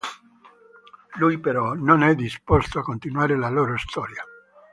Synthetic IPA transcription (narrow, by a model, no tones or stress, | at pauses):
lujpeɾɔnonɛd̪ːispost̪oakːont̪inwaːɾelaloːɾost̪ʰɔːɾja